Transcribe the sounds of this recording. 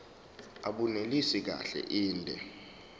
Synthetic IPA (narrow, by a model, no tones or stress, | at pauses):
aɓunelisik̬a̰ɬɛ̰ʔiːndʱɛ